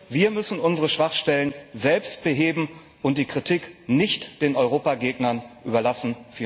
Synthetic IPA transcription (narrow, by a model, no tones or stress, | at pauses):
viːɐmʏsn̩ʊnzəʁəʃv̥aχʃtɛlənzɛlpst̚b̥əɦeːbm̩ | ʔʊnt̚d̥iːkʁ̥itʰiknɪçtd̥eːnɔʏʁ̞oːpaɡeːɡnɐnʔyːbɐlasn̩fiː